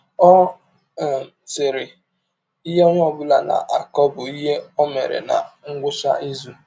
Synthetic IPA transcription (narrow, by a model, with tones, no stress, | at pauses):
ɔ˦˨ | sɪ˨ɾɪ˨ | i˦ɦe˦ŋʷ˦ɔ˦ɡ͡bʊ˦la˨na̰˨ʔa˨kɔ˦bʊ˨i˦ɦe˦ɔ˦mḛ˨ɾḛ˨na̰˨ŋ̩˦ɡʷʊ˦sa̰˦i˦zu˦